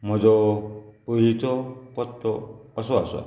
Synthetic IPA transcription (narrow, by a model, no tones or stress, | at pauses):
mɔd͡ʒɔpɔɾit͡ʃɔkɔt̪ːɔɔsɔasɔ̰